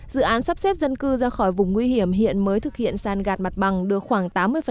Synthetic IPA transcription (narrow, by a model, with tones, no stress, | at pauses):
zɨ̰˧˨ʔaː˨˦nsa˦˥p̚sɛ˦˥p̚zə˧nkɨ˧zaː˧xɔ˧˩jvʊ˨˩ŋ͡mŋwi˧hi˧˩əmɦḭ˧˨ənməː˨˦jt̪ʰɨ˨˩k̚hḭ˧˨ənsaː˧˩nɣaː˨˩t̚ma˨˩t̚ɓa˨˩ŋɗɨ˨˩ək̚xwaː˧˩ŋt̪aː˨˦mːɨ˧əfə˨˩